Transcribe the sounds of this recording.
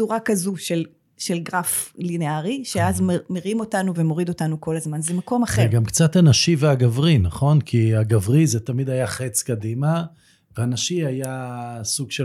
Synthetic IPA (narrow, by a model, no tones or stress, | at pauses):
uʁakazuʃel | ʃe̞lɡʁafline̞aʁiʃe̞azmmeʁimo̞tanuve̞mo̞ʁid̪o̞tanuko̞lazmanzemako̞maχeɡamkt͡sat̪hanaʃiveaɡavʁinaχo̞nkʰiaɡavʁizet̪amid̪ajaχet͡skad̪ima | veanaʃiajasuɡʃe